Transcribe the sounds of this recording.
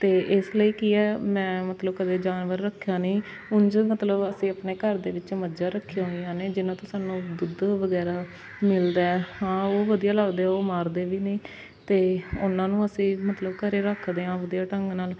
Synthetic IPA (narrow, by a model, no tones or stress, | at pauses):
t̪eːʔɪsləiːkiːɛːmɛ̃ːmət̪ləbkəd̪eːd͡ʒaːnʋəɾːəkʰːjãːnĩː | ʊnd͡ʒmət̪ləbəsĩːəpneːkəɾd̪eːʋɪt͡ʃməd͡ʒaːɾəkʰːjaːɦoijãːneːd͡ʒɪnãːt̪õːsaːnũːd̪ʊd̪ʋəɡɛːɾaː | mɪld̪aːɛːhãːoːʋəd̪ijaːləɡd̪eːãːoːmaːɾd̪eːʋiːnĩː | t̪eːʊnãːnũːəsĩːmət̪ləbkəɾeːɾəkʰd̪eːãːʋəd̪ijaːʈəŋɡnaːl